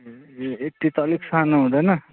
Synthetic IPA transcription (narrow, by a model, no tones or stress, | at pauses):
ek̚ʈ̪it̪ʌliksanoɦũd̪ʌjnʌ